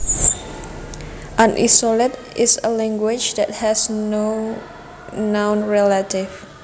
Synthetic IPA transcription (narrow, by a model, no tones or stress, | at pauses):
ʔãnʔisɔlət | ɪsə̰lɛ̃ŋɡwɪt͡ʃdɛt̚hɛsno | nãwnɹɛlətif